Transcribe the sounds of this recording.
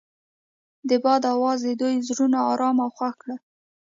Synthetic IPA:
d̪əbɑd̪awɑzəd̪ujzɾunaɑɾɑmawxwaxkɽə

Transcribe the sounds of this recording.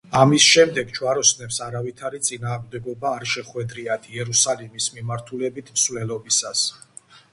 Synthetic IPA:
amisʃɛmd̪ɛɡt͡ʃʰwaɾɔsnɛpsaɾavit̪ʰaɾit̪sʼinaːʁmd̪ɛɡɔbaːɾʃɛχwɛd̪ɾiad̪̥ʰiɛɾusalimismimaɾt̪ʰulɛbit̪ʰmsvlɛlɔbisas

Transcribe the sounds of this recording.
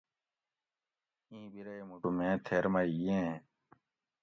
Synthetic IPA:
ĩːbiɾɐemuʈumẽːt̪ʰeːɾmaiẽ

